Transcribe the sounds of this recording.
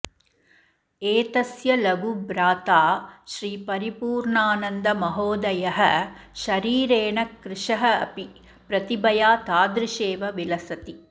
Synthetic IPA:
eːt̪ɐsjɐlɐɡubɾaːt̪aːʃɾiːpɐɾipuːɾɳaːnɐnd̪ɐmɐɦoːd̪ɐjɐɦɐʃɐɾiːɾeːɳɐkɾɪʂɐɦɐɐ̰pi | pɾɐt̪ibɐjaːt̪aːd̪ɾiʃeːʋɐʋilɐsɐt̪i

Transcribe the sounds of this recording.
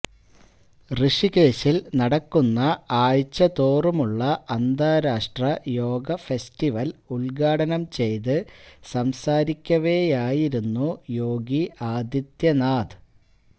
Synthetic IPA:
rɨʂike̞ːɕilnɐɽɐkːunːɐaːjt͡ɕːɐt̪oːrumuɭːɐːnd̪aːɾaːʂʈrɐjo̞ːɡɐfestiʋɐluɭɡaːɽɐnɐmt͡ɕe̞jt̪ɨsɐmsaːɾikʲːɐʋe̞ːjaːjiɾunːujo̞ːɡiaːd̪jɐt̪jɐnaːd̪ɨ

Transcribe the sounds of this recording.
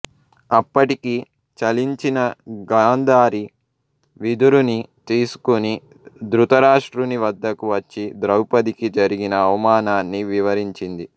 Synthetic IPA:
ɐpːɐʈiki | t͡ʃɐliɲt͡ʃinɐɡaːnd̪aːɾi | ʋid̪uɾunit̪eːsu̥kuni | d̪ɾut̪ɐɾaːʂʈɾuniʋɐd̪ːɐkuʋɐt͡ʃːid̪ɾɐwpɐd̪ikid͡ʒɐɾiɡinɐːʋɐmaːnaːnːiʋiʋɐɾiɲt͡ʃind̪i

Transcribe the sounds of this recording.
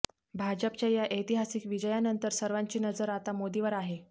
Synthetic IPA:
bʱad͡ʑəp̚t͡ɕjajaʔəjt̪iɦasiːkʋid͡ʑəjanənt̪əɾsəɾʋaɲt͡ɕiːnəd͡zəɾat̪amod̪iʋəɾaɦe

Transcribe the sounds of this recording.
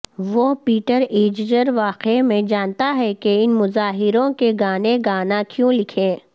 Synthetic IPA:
ʋopiːʈəɾeːd͡ʒd͡ʒəɾʋaːqemẽd͡ʒaːnt̪aɦɛkeɪnmʊzaːɦɪɾõkeɡaːneɡaːnakjõːlɪkʰẽː

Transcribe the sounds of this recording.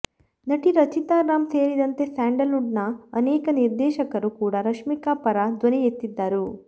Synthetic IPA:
nɐʈiɾɐt͡ʃit̪aːɾaːmseːɾid̪ɐnt̪e̞saːɳɖɐluɖnɐɐneːkɐniɾd̪ɛːʃɐkɐɾukuːɽɐɾɐʂmikaːpɐɾad̪ʋɐnijet̪ːid̪ːaːɾu

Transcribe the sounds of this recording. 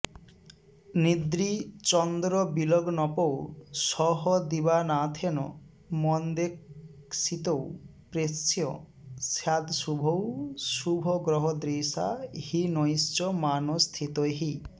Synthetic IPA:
nid̪ɾit͡ʃɔnd̪ɾɔbilɔɡnɔpowsɔɦɔd̪ibanat̪ʰenɔ̰ | mɔnd̪eksit̪owpɾessjɔ | sjad̪subʱowsubʱɔɡɾɔɦɔd̪ɾisa̰hinɔjst͡ʃɔmanɔst̪ʰit̪ɔjɦi

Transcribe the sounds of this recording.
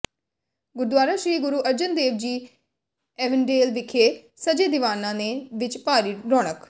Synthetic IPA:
ɡʊɾd̪waːɾaːʃɾiːɡʊɾuːʔəɾd͡ʒənd̪eːʋd͡ʒiː | ɛːʋənɖeːlʋɪkʰeː | səd͡ʒeːd̪ɪʋaːnãːneʋɪt͡ʃpaːɾiːɾɔːɽ̃ək

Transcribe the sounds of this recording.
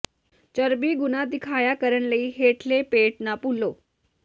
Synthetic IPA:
t͡ɕəɾbiːɡunad̪ikʰajakəɾəɳləiːɦeʈʰlepeʈnapulːo

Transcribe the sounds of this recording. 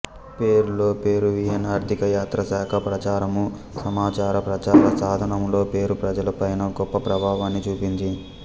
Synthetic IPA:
pe̞ːɾulo̞ːpe̞ːɾuʋiɦɐnaːɾt̪ʰikɐjaːt̪ɾɐsaːkʰɐpɾɐt͡ʃaːɾɐmu | sɐmaːt͡ʃaːɾɐpɾɐt͡ʃaːɾɐsaːd̪ʱɐnɐmlo̞ːpe̞ːɾupɾɐd͡ʒɐlɐpɐjnɐɡɔpːɐpɾɐbʱaːʋaːnːit͡ʃuːpind͡ʒi

